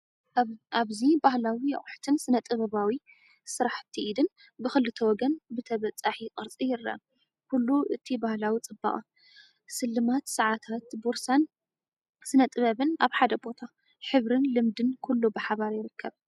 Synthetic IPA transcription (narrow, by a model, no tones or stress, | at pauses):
aβzibahlawijɐ̰χʼħt̪ʰɨnsɨnɐt̪ʼɨβɐβawi | sɨɾaħt̪ʰiʔid̪ɨn | bɨxɨlːɨt̪ʰɐwɔɡɐnbɨt̪ʰɐβɐt͡sʼaħikʼɨɾt͡sʼijɪɾːɐ̰ʔ | kʰulːuʔɨt̪ʰibahlawit͡sʼɨbːa̰χʼa̰ | sɨlːɨmat̪sɨʕat̪ʰat̪boɾsan | sɨnɐt̪ʼɨβɐβɨnaβħad̪ɐbo̞t̪ʰa | ħɨβɾɨnlɨmd̪ɨnkʰulːubɨħaβaɾjɪɾɨkʰːɐβ